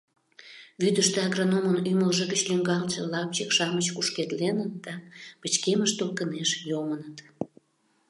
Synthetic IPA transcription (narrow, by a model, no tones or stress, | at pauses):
βyd̪əʃt̪eaɣronomənyməlʒəɣət͡ɕlyŋɡɑlt͡ɕə̆lɑp̚t͡ɕəkʃɑmət͡ɕkuʃket̪lenənd̪̥ɑpət͡ɕkeməʃt̪olkəneʃjomənət̪